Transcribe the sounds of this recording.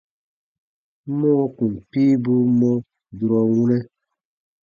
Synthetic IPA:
mɔ̃˦kũ˨m˨piː˦bu˦mɔ̃˦ | du˨ɾɔ˨wũ˦nɛ˦

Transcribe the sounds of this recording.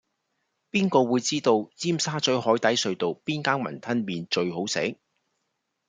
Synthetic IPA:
piː˥nkɔː˧wuː˨˧jt͡siː˥t̪o˧wt͡siː˥msaː˥t͡ʃɵ˨˥ɥhɔː˨˥jt̪ɐ˨˥jsɵ˧ɥt̪o˨wpiː˥nkaː˥ŋmɐ̰˨˩nt̪ʰɐ˥nmiː˨˧nt͡ʃɵ˧ɥho˨˥wsḛ˨˥

